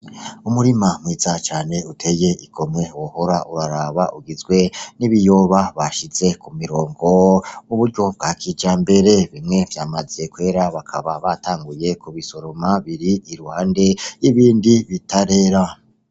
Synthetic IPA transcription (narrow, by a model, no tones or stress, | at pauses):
umuɾimamwiːzat͡ʃaːne̞utʰe̞je̞ʔiɡo̞mŋe̞woho̞ɾaʔuɾaɾaβaʔuɡizɡwe̞niβijoβaβaʃiz̥e̞kumiɾo̞ːŋɡo̞muβuɾɟo̞b̚ɡaːkʰid͡ʒaːmbe̞ɾe̞βimŋe̞vjaːmaziekwe̞ːɾaβakʰaβaβataːŋɡuje̞kuβiso̞ɾo̞maβiɾiiɾuhaːnde̞iβiːndiβitaɾe̞ɾa